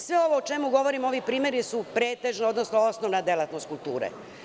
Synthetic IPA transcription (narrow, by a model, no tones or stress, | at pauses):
sʋeo̞ʋoot͡ʃe̞muɡo̞ʋo̞ɾimo̞ʋipɾiːme̞ɾisupɾeːt̪eʒneo̞d̪nosnoosnoʋnad̪elat̪nost̪̚kulˠt̪uːɾḛ